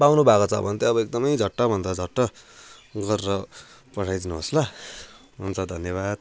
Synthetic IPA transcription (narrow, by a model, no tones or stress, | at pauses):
bawnubʱakot͡sʰʌ̰bʱʌnt̪eʌbʌek̚d̪ʌmʌjd͡zʱʌʈːʌbʱʌnd̪ʌd͡zʱʌʈːʌ | ɡʌrrʌ | pʌʈʰajd̪inuɦʌsla | ɦunt͡sʰʌd̪ʱʌnjʌβad̪̚